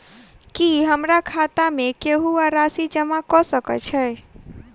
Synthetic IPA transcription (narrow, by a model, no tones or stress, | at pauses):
kiɦəmɾakʰat̪amekeɦuaɾasid͡ʒəmakɔsəkə̰t͡ʃʰɛj